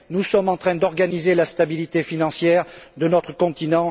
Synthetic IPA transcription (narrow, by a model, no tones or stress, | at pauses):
nusɔmɑ̃t̪χɛ̃d̪ɔʁɡanizelast̪abilit̪efinɑ̃sjɛʁd̪ənɔt̪χəkɔ̃t̪inɑ̃